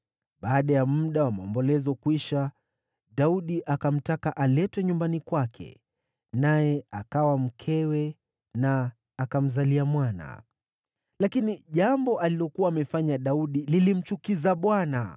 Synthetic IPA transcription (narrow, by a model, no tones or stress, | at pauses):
ɓaːɗajamm̩ɗawamaɔmbɔlɛzɔkwiʃa | ɗauɗiʔakam̩takaʔalɛtwɛɲumbanikwakʰɛ̰ | najɛakawam̩kʰɛwɛ | naː | kam̩zaliamwana̰ | lakiniʄambɔʔalilɔkuwaːmɛfaɲaɗauɗililim̩t͡ʃukizaɓwana̰